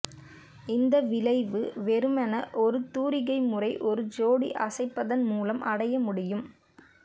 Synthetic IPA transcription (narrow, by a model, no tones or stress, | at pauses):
ɪnd̪ɐʋɪlɐɪʋɯʋɛɾɯmɐnɐʔɔɾɯt̪uːɾɪɣɐɪmʊrɐɪʔɔɾɯd͡ʒoːɽḭʔɐsɐɪpːɐðɐnmuːlɐmʔɐɽɐjɐmʊɽɪjɯm